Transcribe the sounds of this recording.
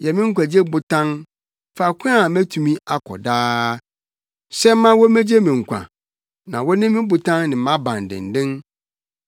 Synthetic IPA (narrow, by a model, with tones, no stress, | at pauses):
jɛ˨mɪ̃˦ŋ̩˦kʷã˨d͡ʑi˦e˦bʊ˨tʰã˦n | fa˨kʰʊ˦a˦˨mæ̃˦tʰũ˨mĩ˦ʔa˦kʰɔ̰˨daː˦ | sɛ˦mã˦wɔ˦mæ̃˦d͡ʑe˦mɪ̃˨ŋ̩˨kʷʰã̰˨ | nã˨wɔ˦nɪ̃˦mɪ̃˦bʊ˨tʰã˦nnɪ̃˨˦mã˦bã˨n̩˨dɪ̰̃˨n̩˨dɪ̃˦n